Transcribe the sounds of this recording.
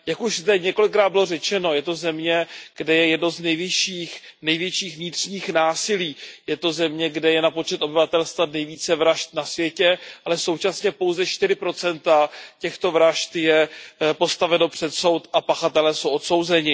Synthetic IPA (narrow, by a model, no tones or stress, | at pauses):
jakuʒzd̪ɛɲɛko̞lɪkːɾaːd̪bɪlo̞rɛt͡ʃɛno̞jɛt̪o̞zɛmɲɛɡ̥dɛjɛjɛdnoznɛjvɪʃiːxnɛjvjɛt͡ʃiːxvɲɪt̪r̝̥ɲiːxnaːsɪliːjɛt̪o̞zɛmɲɛɡdɛjɛnapo̞t͡ʃɛt̪o̞bɪvat̪ɛlst̪vanɛjviːt͡sɛvɾaʃt̪̚nasvjɛcɛʔalɛso̞wt͡ʃasɲɛpo̞wzɛʃt̪ɪɾɪpɾo̞t͡sɛnt̪acɛxt̪o̞vɾaʃt̪jɛpo̞st̪avɛno̞pr̝̥ɛt̪so̞wt̪ʔapaxat̪ɛlɛːso̞wʔo̞t̪so̞wzɛɲɪ